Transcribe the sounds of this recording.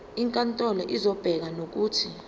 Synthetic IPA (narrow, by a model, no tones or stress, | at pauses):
iŋkʼantʼɔlɔʔizɔb̥ʱɛk̬anok̬uːtʰi